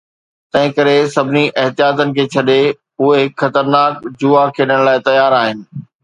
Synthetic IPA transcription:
t̪ɐ̃ɦɪ̃kɐɾesɐbʱɪniʔɐɦt̪ijaːt̪ənɪ̆kʰeːt͡ɕʰɐɗe | ʊɦeɦɪkxɐt̪əɾnaːkd͡ʑuakʰːeːɗɪəɽ̃laːɪt̪ɐjaːɾaːɦɪnɪ̆

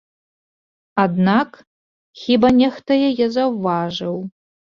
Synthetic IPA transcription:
ad̪nakʰ | xʲiːbɐnʲextʰɐjɛjɛzɐwvaːʒɐw

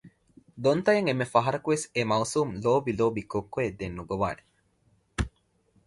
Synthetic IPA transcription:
d̪ont̪ɐjɐŋemːefɐɦɐɾɐkuʋesemɐwsuːmloːbiloːbikokːoed̪enːuɡoʋa̰ːne

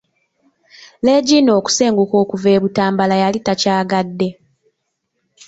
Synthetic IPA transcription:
le̞ːɟiːno̞ːku̥se̞ːŋɡuko̞ːkuve̞ːβutaːmbalajalitacaːɡadːe̞

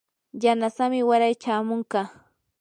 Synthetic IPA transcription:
janasamɪwaɾajt͡ʃaːmoɴkɑ

